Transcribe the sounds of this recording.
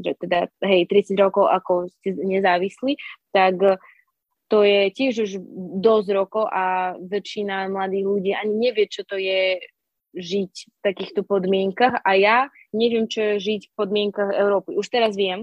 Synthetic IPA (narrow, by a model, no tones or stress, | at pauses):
ʒɛt̪ɛd̪aɦɛjt̪ɾit͡sid͡zɾɔkɔʊʔakɔscɛɲɛzaːʋisliːt̪ak | t̪ɔjɛcɪɛʒuʒd̪ɔzɾɔkɔʊʔaʋɛt͡ʃːinamlad̪iːɣluɟiːʔaɲiɲɛʋɪɛt͡ʃɔt̪ɔjɛ | ʒicft̪akiːxt̪ɔpɔd̪mɪɛŋkaxaja | ɲɛʋɪɛmt͡ʃɔɛʒicfpɔd̪mɪɛŋkaɣɛ̰ʊɾɔːpiuʃt̪ɛɾazʋɪɛm